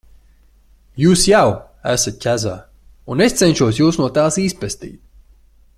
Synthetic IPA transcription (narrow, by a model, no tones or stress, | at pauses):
juːsjaw | æsat̪̚ʲcʲæza̰ː | unest̪sɛnʲʃuɔsjuːsnuɔt̪aːsiːspɛst̪ḭːt̪̚